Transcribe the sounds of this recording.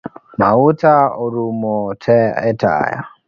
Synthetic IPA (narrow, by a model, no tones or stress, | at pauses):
mautauɾumɔtʰɛɛta̰ja̰